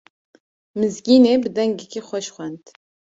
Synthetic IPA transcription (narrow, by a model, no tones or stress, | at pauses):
mɨzɡʲiːneːbɨd̪ɛŋɡekʰixʷɛʃxʷɛnd̪̥